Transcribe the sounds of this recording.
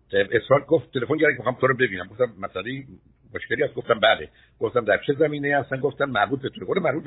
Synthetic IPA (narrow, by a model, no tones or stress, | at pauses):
eesɾɒd̪̚ɡoft̪ʰːelefonɟæɾækʰemeɑmt̪ʰoɾɔbebiːnæmɡoft̪æmːæsæleji | moʃkcʰeliːhæst̪ɡoft̪æmbæd̪e | ɡ̥oft̪æmd̪æɾt͡ʃʰezæmiːnejhæst̪ænɡoft̪ænmæɾbuːt̪̚bet̪ʰoɾeɡod̪emæɾbuːt̪̚